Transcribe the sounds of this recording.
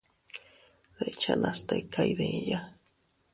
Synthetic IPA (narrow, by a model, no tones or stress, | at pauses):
ðet͡ʃanʔast̪ekʰaiðeja